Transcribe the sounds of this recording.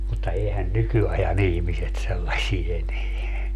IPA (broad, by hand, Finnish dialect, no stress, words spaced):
mutːɑ eːhæn nykyɑjɑn ihmiset selːɑsie eneæ